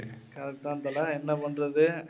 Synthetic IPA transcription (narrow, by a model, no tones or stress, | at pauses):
kɐɾɐkt̪aːnt̪ɐlaɛnːɐpɐɳrɐðɯ